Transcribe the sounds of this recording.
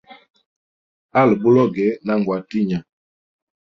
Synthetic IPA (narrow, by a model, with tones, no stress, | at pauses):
a˦˨lbu˦lɔ˦ɡɛ˨˦na˦˨ŋɡwa˨ti˦ɲa˨